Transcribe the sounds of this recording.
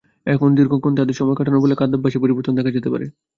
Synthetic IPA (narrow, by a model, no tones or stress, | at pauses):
ɛkʰond̪iɾɡʱokʰont̪ad̪eɾʃɔmɔekaʈʰanobolekad̪ab̚aʃipoɾibɔɾt̪ʰond̪ɛkʰad͡ʑet̪epa̰ɾḛ